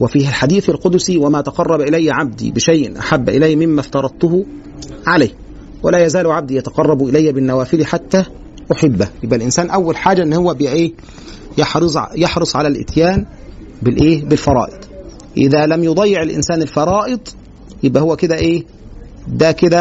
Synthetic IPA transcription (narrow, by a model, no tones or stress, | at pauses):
wɪfiːhælħad̪iːθɪlqod̪siwæmæːt̪ɑqɑrˤːɑbʔɪlæjːʕab̚d̪ḭːbɪʃajʔɪnʔa̰ħabːʔɪ̰læjːmɪmːæft̪ɑɾˤɑd̪̚ˤt̪ʊhʊ | ʕalaj | wælæːjæzæːlʊʕab̚d̪iːjɑt̪ɑ̥qɑrˤːɑbuʔɪlæjːæbɪnːæwæːfɪliħat̪ːæː | ʔʊħɪbːæjɪbʔælʔɪnsæːnʔæwːælħaːd͡ʒæʔɪnːhowːæbʔeː | jɑħɾˤjɑħɾɨsˤʕalælʔɪ̰t̪jæːn | bɪlʔeːbɪlfɑɾˤɑ̰ːʔed̪ˤ | ʔɪðæːlæmjod̪ˤɑjːɪʕɪlʔɪ̰nsæːnɪlfɑɾˤɑːʔɨd̪ˤ | jɪbʔæhʊwːækɪd̪æʔeː | d̪ækɪd̪æ